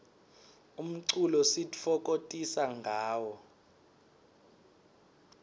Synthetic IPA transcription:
um̩ǀulɔsitʼifɔk̬ʼotʼisaŋɡʱaːwɔ

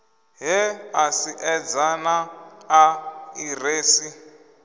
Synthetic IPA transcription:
ɦɛasiʔɛd͡zanaː | ireːsi

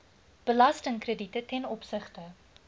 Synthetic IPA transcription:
b̥əlɐstəŋkrəditətɛnɔpsəχtə

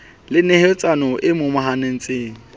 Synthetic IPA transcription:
lɪnehet͡sʼanɔʔɪmʊmʊɦanen̩t͡sʼɪːŋ̩

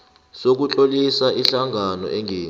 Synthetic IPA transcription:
sok̬ut͡ɬʼolisaiɬaŋʱanɔ̰ʔɛŋʱeː

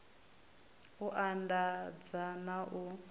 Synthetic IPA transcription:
uʔandad͡zanaʔu

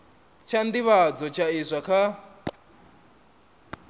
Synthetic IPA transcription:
t͡ʃʰand̪iβad͡zɔt͡ʃʰaiʂʷakʰa

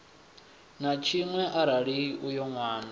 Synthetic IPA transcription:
nat͡ʃʰiŋwɛʔaɾaɺiʔujɔŋwaːna

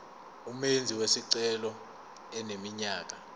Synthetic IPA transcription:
umend͡zʱiwesiǀɛlɔ | ɛnemiɲaːk̬a

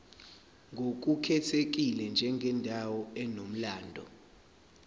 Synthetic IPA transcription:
ŋɡʱok̬ukʰɛtʰek̬ilɛnd͡ʒʱɛŋɡʱɛndʱawɔɛnom̩laːndʱɔ̰

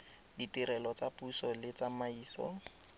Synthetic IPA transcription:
ditiɾɛlɔt͡sapusɔlɪt͡samaiːsɔ̰

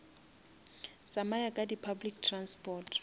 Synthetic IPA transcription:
t͡sʼamajakʼadipʰablik̚tʰranspʼɔːtʰ

